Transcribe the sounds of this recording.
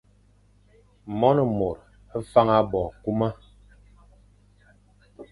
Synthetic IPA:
mɔ˦nɔ˨mo˨ɾ | fa˦ŋa˦bɔ˨ku˦ma˦

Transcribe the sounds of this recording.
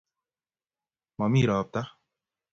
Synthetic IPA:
ma˨miː˦ɾaːp̚t̪a˦

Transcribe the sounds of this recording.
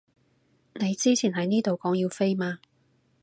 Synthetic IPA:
ne˨˧jt͡siː˥t͡sʰiː˨˩nɦɐ˨˥jniː˥t̪o˨wkɔː˨˥ŋji˧wfe˥jmaː˧

